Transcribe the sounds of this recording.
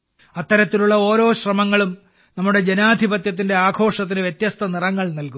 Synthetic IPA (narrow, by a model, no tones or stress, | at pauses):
ɐt̪ːɐɾɐt̪ːiluɭːɐo̞ːɾo̞ːɕrɐmɐŋːɐɭum | nɐmːuɽe̞d͡ʑenaːd̪ʱibɐt̪jɐt̪̬ːinde̞aːɡʰo̞ːʂɐt̪̬ːinɨʋjet̪jɐst̪ʰɐnirɐŋːɐɭnɐlkum